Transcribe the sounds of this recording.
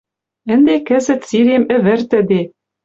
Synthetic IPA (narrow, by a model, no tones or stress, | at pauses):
ɘ̆nd̪ekɘ̆zɘ̆t̪siɾemɘ̆βɘ̆ɾt̪ɘ̆d̪e